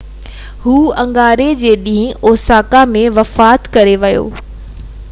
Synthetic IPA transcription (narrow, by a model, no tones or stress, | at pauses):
ɦuːɐ̃ŋɡaːɾed͡ʑeːɗĩɦɪ̃oːsaːkamẽʋɐfaːt̪kɐɾeʋɐjo̰ː